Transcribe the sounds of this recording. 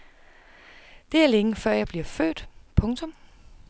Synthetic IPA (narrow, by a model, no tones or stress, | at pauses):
d̥e̝æɐleŋəfɶɐ̰jɑ̈ɪb̥liɐfø̰ːd̥pʰɔ̽ŋt͡sʰɔ̽m